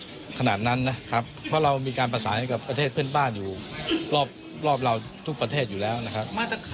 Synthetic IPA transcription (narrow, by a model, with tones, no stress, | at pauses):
kʰa˧naː˨˩t̪̚na˦˥nːa˦˥kʰa˦˥p̚pʰːɔ˦˥˩ɾa˧wmiː˧kaː˧npa˧saː˩˦nha˥˩ka˨˩pːɾa˧t̪ʰeː˥˩t̪̚pʰɯ˥˩ənbaː˥˩njuː˨˩ɾɔː˥˩p̚ | ɾɔː˥˩p̚ɾa˧wt̪ʰu˦˥kpɾa˧t̪ʰeː˥˩t̪̚juː˨˩lɛː˦˥wna˦˥kʰa˦˥p̚ma˥˩t̪a˧